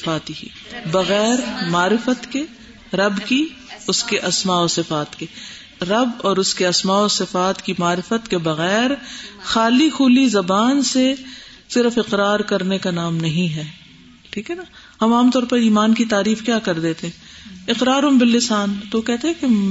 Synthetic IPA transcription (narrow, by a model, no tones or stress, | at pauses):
aːt̪iḭ | bɐɣɛːɾmaːɾɪfət̪ke | ɾɐbki | ʊskeʔɐsmaːɔːsɪfaːt̪ke | ɾɐbɔːɾʊskeɐsmaːoːsɪfaːt̪kimaːɾɪfət̪kebɐɣɛːɾxaːlixuːlizɐbaːnse | sɪɾfɪqɾaːɾkɐɾnekanaːmnɐɦĩɦɛː | ʈʰiːkɦɛna | hɐmaːmt̪ɔːɾpɐɾiːmaːnkit̪aːɾiːfkjaːkɐɾd̪eːt̪eɦɛ̃ | ɪqɾaːɾɦɐmbɪlːɪsaːnt̪ookɛɦt̪eɦɛ̃ke